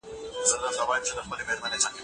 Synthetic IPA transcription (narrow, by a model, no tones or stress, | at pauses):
zəd̪əlt̪awɑjɪmt͡ʃed̪əxpəlemeɾmanezak